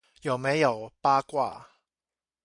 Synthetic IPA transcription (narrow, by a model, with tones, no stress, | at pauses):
jɐ˨˩wmɛː˨˥jɐ˨˩wpaː˥kʷa̰ː˥˩